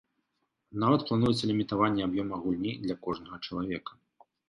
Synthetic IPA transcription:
navɐt̪̚plˠan̪ujɛt̪sɐlʲimʲit̪avanʲːɛabjɔmɐɐɣulʲnʲid̪lʲɐkɔʐnɐɣɐt͡ʂɐlˠavʲɛkɐ̥

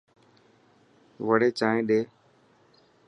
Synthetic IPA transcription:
ʋəɽeːt͡ʃaːɦẽːɗeː

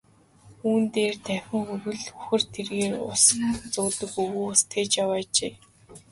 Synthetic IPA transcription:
uːnt̪eːrt̪ʰæxʲɪ̆ŋxuɾɘ̆ɮuxɘ̆rt̪ʰerɣeːrʊ̰snt͡sʊt̪ɵ̆kɵɣuːʊst̪ʰeːt͡ɕjawaːt͡ɕeː

